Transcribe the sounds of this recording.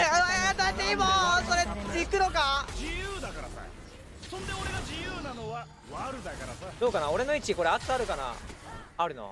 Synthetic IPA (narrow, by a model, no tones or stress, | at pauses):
ed̪at̪eimasoɾeikɯno̞kad͡ʑijɯːd̪akaɾasa̰ | sõ̞nd̪e̞o̞ɾe̞ɡad͡ʑijɯːnano̞βa | βaɾɯ̟d̪akaɾa̰sad̪o̞ːkanao̞ɾe̞noit͡ɕiko̞ɾeat͡sɨaɾɯ̟kana̰ | aɾɯ̟no̰